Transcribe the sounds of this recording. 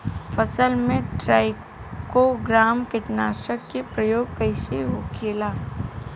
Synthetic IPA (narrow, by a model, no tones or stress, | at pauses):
fʰəsəlmẽʈɾaːɪ | koɡɾaːmkɪt̪naːʃəkːepɾɐjoːɡ̚kəɪseɦokʰeːlaː